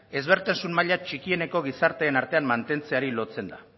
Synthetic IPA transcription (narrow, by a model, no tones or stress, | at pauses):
e̞zβ̞e̞ɾt̪ensunmaʎat͡ʃikie̞ne̞ko̞ɣ̞isaɾt̪e̞ːnaɾt̪e̞ammant̪e̞nt͡se̞aɾilo̞t͡se̞nd̪a̰